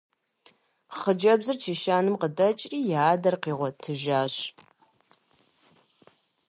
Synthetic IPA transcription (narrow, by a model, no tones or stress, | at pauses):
χəd͡ʒɐbzɨrt͡ʃʰiːʃaːnɨmqədɐt͡ʃʼriːjaːdɐrqiːʁʷɔtʰɨʒaːɕ